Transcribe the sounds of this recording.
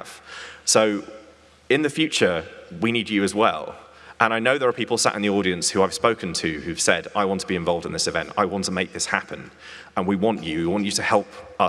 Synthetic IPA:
v̥soʊ | ɪ̃nðɨfjʉˑt͡ʃəwinid͡ʒɨːzwɛ̰lˠ | ʔə̃ñaɪnoʊðə˞əpʰiˑpəl̩ˠsa̰ʔɪ̰̃nðiɔːɾiə̃nshʉaɪv̥spəʊkə̃ntʰɨhʉv̥sɛ̰daɪwɒ̃ntʰəbiɨ̃ɱvɒlˠvdɪ̃nðɪsɨvɛ̰̃nta̰ɪwɑ̃ntʰəmeɪk̚ðɪshapʰə̃n | ə̃nwiwɒ̃nt͡ʃɨwiwɒ̃nt͡ʃɨtəhɛlˠpʌ

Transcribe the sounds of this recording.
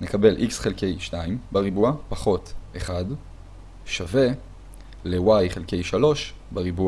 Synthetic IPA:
ne̞kabe̞lʔiksχelke̞jʃnaimbaʁibuapaχo̞tʔeχad | ʃave̞ | lewajχe̞lke̞jʃalo̞ʃbaʁibua

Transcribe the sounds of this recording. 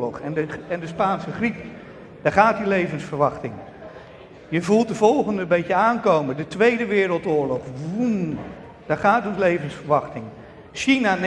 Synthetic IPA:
lɔχɛəɛndəspaːnsəχrip | d̥aɹχaːt̚dilejvənsfəɹʋɑχtɪŋ | jəvulˠt̚dəvɔlˠχəndəbɛjtəaːnkowmədətʋejdəʋɪːɾəlˠtʊːɹlɔχʋum | d̥aχaːtɔnslejvənsfəɹʋɑχtɪŋ | ʃinan

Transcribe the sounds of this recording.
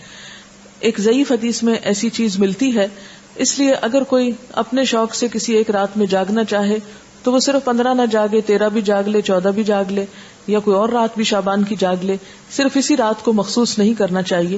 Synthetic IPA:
eːkzɐiːfɦɐd̪iːsmẽʔɛːsit͡ʃiːzmɪlt̪iɦɛː | ɪslieʔɐɡəɾkoːiɐ̰pneʃɔːksekɪsieːkɾaːt̪mẽd͡ʒaːɡnat͡ʃaːɦe | t̪oʋosɪɾfpɐ̃nd̪ɾanad͡ʒaːɡlet̪eːɾabʱid͡ʒaːɡlet͡ʃɔːd̪abʱid͡ʒaːɡleː | jakoːiɔːɾːaːt̪̚bʱiʃaːbaːnkid͡ʒaːɡleː | sɪɾfɪsiɾaːt̪komɐxsuːsnɐɦĩkɐɾnat͡ʃaːɦieː

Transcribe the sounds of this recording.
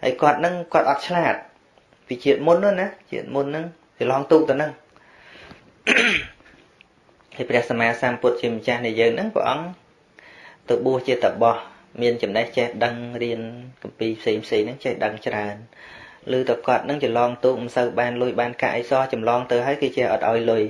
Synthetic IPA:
ha̰əjkŏət̪̚nɨŋkŏət̪̚ʔɑt̪̚t͡ɕʰlaːt̪̚ | piːt͡ɕiət̪̚munːɨ̆ənat͡ɕḭət̪̚munːɨŋ | t͡ɕilɑːŋt̪uːk̚t̪ɨwnɨŋ | hajprɛ̆əhsamaːsamput̪̚t͡ɕiəmət͡ɕahnɨəjəːŋnɨŋprɛ̰̆ʔɑŋ | t̪əwɓuəht͡ɕiət̪ːəɓɑh | miənt͡ɕɑmnəht͡ɕehɗəŋriənkɑmpiːpʰseːŋpʰseːŋnɨŋt͡ɕehɗəŋt͡ɕraənlɨːt̪ɨkŏət̪̚nɨŋt͡ɕilɑːŋt̪uːk̚mɨnsəwɓaːnlʊjɓaːnka̰ʔəjsɑːt͡ɕɑmlɑːŋt̪ɨwɦaəjkɨːt͡ɕɛ̆əhʔɑ̰t̪̚ʔaɔjlʊj

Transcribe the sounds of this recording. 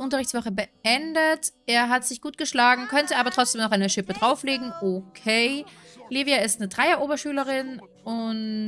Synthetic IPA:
ʔʊntɐʁɪçtt͡sv̥ɔχəbəʔɛndətʔeːɐɦatz̥ɪçɡ̥uːt̚ɡ̥əʃlaːɡŋ̩kʰœntəʔaːbɐtʁ̥ɔt͡sd̥eːmnɔχaɪnəʃɪpədʁaʊfleːɡŋ̩ʔokʰeː | liːvjaɪstnədʁaɪɐʔoːbɐʃyːləʁɪn | ʊn

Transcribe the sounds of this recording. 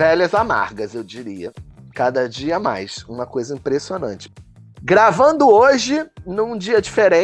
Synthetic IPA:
vɛlɐzama̰ɾɡɐzewd͡ʒiɾiɐkad̪ɐd͡ʒiɐma̰jsũmɐkojzɐĩmpɾesionɐ̰̃nt͡ʃɪ̥ | ɡɾavɐ̃nd̪ʊoʒɪnũd͡ʒiɐd͡ʒifeɾẽ

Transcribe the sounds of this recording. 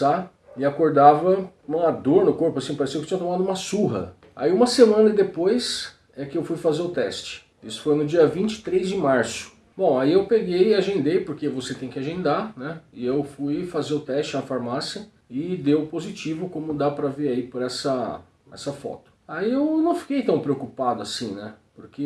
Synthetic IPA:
a | ɪakoɾd̪avɐ̃ad̪oɾnʊkoɾpʊasĩpaɾesiɐkɪt͡ʃĩɲɐt̪omad̪ʊũmɐsuɦɐ̰ | a̰iũmɐsemɐ̃nɐd̪epojs | ɛkɪewfujfazeɾʊt̪ɛst͡ʃɪ̥ | isʊ̥fojnʊd͡ʒiɐvĩnt͡ʃɪ̥t̪ɾejzd͡ʒɪmaɾsʊ̥ | bõw̃aiewpeɡejɪaʒẽnd̪ejpoɾkevoset̪ẽj̃kɪaʒẽnd̪anɛɪewfujfazeɾʊt̪ɛst͡ʃɪnɐfaɾmasiɐ | ɪd̪ewpozit͡ʃivʊkõmʊd̪apɾɐveɾaipʊɾɛsɐ | ɛ̰sɐfɔ̰t̪ʊ̥aiewnɐ̃w̃fi̥kejt̪ɐ̃w̃pɾeokupad̪ʊasĩnɛpoɾke

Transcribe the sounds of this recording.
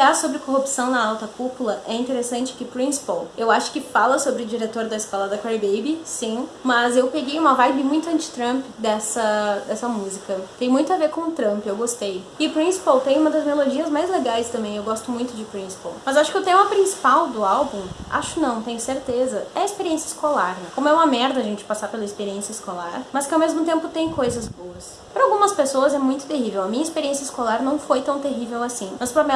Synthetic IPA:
asobɾɪkoɦupsɐ̃w̃nɐawt̪ɐkupulɐʔɛĩnt̪eɾesɐ̃nt͡ʃɪ̥kɪpɾĩsi̥powewaʃʊ̥kɪfalɐsobɾɪʊd͡ʒiɾet̪oɾd̪ɐɪskɔlɐd̪ɐkaɾbejbɪsĩmɐzewpeɡejũmɐvajbɪmũj̃t̪ʊɐ̃nt͡ʃɪ̥t̪ɾɐ̃mpɪd̪ɛsɐd̪ɛsɐmuzikɐt̪ẽj̃mũj̃t̪ʊaveɾkõw̃ʊt̪ɾɐ̃mpewɡost̪ej | ɪʊpɾĩsi̥pawt̪ẽj̃ũmɐd̪ɐzmelod͡ʒiɐzmajzleɡajst̪ɐ̃mbẽj̃ewɡɔst̪ʊmũj̃t̪ʊd͡ʒɪpɾĩsi̥pɐ̰wmɐzaʃʊ̥kɪʊt̪ẽmɐpɾĩsi̥pawd̪ʊawbũʔa̰ʃʊkɪnɐ̃w̃t̪ẽj̃ʊseɾt̪ezɐɛɐɪspeɾiẽsijɐiskolaɾnɛkõmʊɛũmɐmɛɾd̪ɐʒẽnt͡ʃɪ̥pasaɾpelɐɪspeɾiẽsiɐiskolaɾmɐskɪawmezmʊt̪ẽmpʊt̪ẽj̃kojzɐzboɐs | pɾɐawɡũmɐspesoɐzɛmũj̃t̪ʊ̥t̪eɦivewɐmĩɲɐispeɾiẽsiɐɪskolaɾnɐ̃w̃fojt̪ɐ̃w̃t̪eɦivewasĩmɐspɾɐmɛ

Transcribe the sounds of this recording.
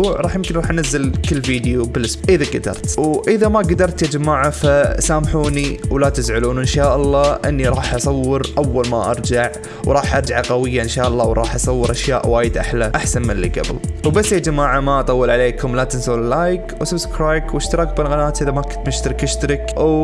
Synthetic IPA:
ʕɾˤɑːħjɪmkɪnɾˤɑːħʔanazːɪlkɪlːfiːd̪jubɪlʔɪsʔɪðaɡad̪ɑ̰ɾˤt̪wʔɪðamaɡad̪ɑɾˤt̪jad͡ʒamaːʕafasaːmħuːniwlat̪ɪzʕʊluːnʔɪnʃaːʔɑlˤːɑːʔɪnːiɾˤɑːħʔɑsˤɑwːɪɾʔawːalma̰ʔɑɾˤd͡ʒaʕ | wɾˤɑːħʔɑɾˤd͡ʒaʕaqawɪjːaʔɪnʃaːʔɑlˤːɑːwɾˤɑːħʔɑsˤɑwːɪɾʔaʃja̰ːʔwaːjɪd̪ʔaħlaʔaħsanmɪlːḭɡa̰bɪ̰lwbasːjad͡ʒamaːʕamaʔɑt̪ˤɑwːɪlʕaleːkʊmlat̪ɪnsawɪlaːjkwsabskɾaːjkwɪʃt̪ɑɾˤɑːkbɪlɣanaːt̪ʔɪðamakʊt̪mɪʃt̪aɾɪkʔɪʃt̪aɾɪkw

